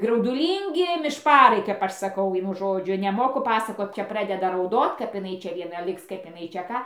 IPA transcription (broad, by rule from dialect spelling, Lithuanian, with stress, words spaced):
ɡrɐʊdʊˈlʲiːŋʲɡʲɪ mʲɪʃˈpɑːrɐɪ kɐp ˈɐʃ sɐˈkɐʊ ˈʋʲiɛnʊ ˈʒoːd͡ʒʲʊ nʲɛˈmoːkʊ ˈpɑːsɐkoːt ˈt͡ʃʲɛ ˈprɑːdʲɛdɐ rɐʊˈdoːt kɐp ɪˈnɐɪ ˈt͡ʃʲɛ ʋʲiɛˈnɐ ˈlʲɪks ˈkɐɪp ɪˈnɐɪ t͡ʃʲɛ ˈkɑː